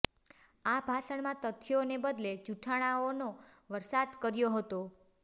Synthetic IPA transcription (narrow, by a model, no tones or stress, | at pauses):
abʱasəɳmãt̪ət̪ʰːjonebəd̪led͡ʒuʈʰaɽ̃aonoʋəɾsad̪kəɾjoɦət̪o